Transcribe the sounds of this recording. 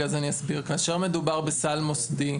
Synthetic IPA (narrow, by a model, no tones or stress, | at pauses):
azanijasbiʁkaːʃeʁme̞d̪ubaʁbesalmosd̪i